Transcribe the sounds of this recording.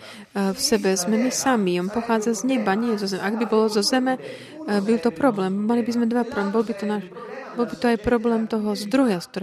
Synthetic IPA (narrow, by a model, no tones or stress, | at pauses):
fsɛbɛzmɛmisamiɔmpɔxaːd͡zazɲɛbaɲɛɛzɔzɛmɛaɡbibɔlɔzɔzɛmɛ | bilˠt̪ɔpɾɔblɛːmːalibizmɛd̪ʋapɾɔmbɔlbit̪ɔnaːʃ | bɔlbit̪ɔajpɾɔblɛːmt̪ɔɦɔzd̪ɾuɦjask̚t̪ɔɾ